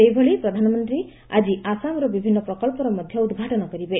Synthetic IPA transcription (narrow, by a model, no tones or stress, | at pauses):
ejbʱɔɭipɾɔd̪ʱanɔmɔnt̪ɾi | ad͡ʒiasamɾɔbibʱinːɔpɾɔkɔlpɔɾɔmɔd̪ʱjɔud̪ɡʱaʈɔnɔkɔɾibe